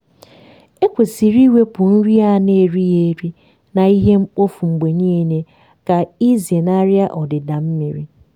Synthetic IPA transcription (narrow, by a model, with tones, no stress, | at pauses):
e˦kʷe˨si˨ɾi˦we˦pʊ˨n̩˦ɾi˦a˦ne˨ɾi˦je˨˦ɾi˦ | na˨i˦ɦe˦m̩˦k͡po˦fu˨ŋ͡m̩˨ɡ͡be˨ɲiː˦ne˦ | ka˨i˦ze˨na˦ɾɪ˦a˦ʔɔ˨dɪ˨da˨m̩˦mi˨ɾi˦